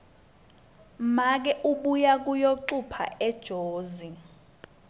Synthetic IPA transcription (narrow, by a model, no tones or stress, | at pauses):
mak̬ɛʔuɓujak̬ʼujoǃupʰa̰ɛd̥ʒ̥ʱoːzi